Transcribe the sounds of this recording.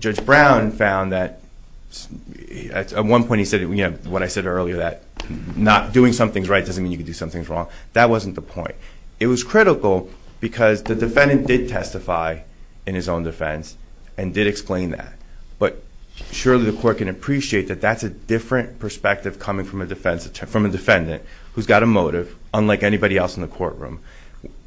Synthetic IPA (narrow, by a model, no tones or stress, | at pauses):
d̥d͡ʒʌd͡ʒbɹãʊ̃nfãʊ̃nðɨt̚ | s | ɨ̰tət̚wʌ̃npʰɔ̃ɪ̃t̚isɛdjɨnoʊwʌɾaɪsɛɾɜ˞lˠiə˞ðɨt̚nət̚d̥ʉɪ̃ŋsʌ̃mθɪ̃ŋzɹaɪt̚d̥ʌzn̩mĩnjɨkɨdɨsʌ̃mθɪ̃ŋzɹɔ̃ŋðɨt̚wʌzn̩ðəpʰɔ̰̃ɪ̃ntɨt̚wʌz̥kʰɹ̥ɪɾəkl̩ˠb̥ɨkʰʌzðɨdɨfɛ̃ndɨ̃nd̥ɨd̚tʰɛstɨfaɪɨ̃nɨzõʊ̃ndɨfɛ̰̃ns | ɨ̃ndɨɾɨksplẽɪ̃nðæ̰t̚b̥ʌt̚ʃʊɹlˠiðɨkʰɔɹt̚kɨ̃nɨpʰɹ̥iʃieɪt̪̚ðɨt̪̚ðætsɨdɪfɹɨ̃npʰə˞spɛk̚tɨv̥kʰʌmɪ̃ŋfɹʌ̃mɨdɨfɛ̃nsɨtʰfɹʌ̃mɨdɨfɛ̃ndɨ̰̃nt̚ | hʉzɡɑɾəmoʊɾɪv̥ə̃nlaɪkɛnibɑɾiɛlˠsn̩ðɨkʰɔ̰ɹʔ̚ɹʉ̰̃m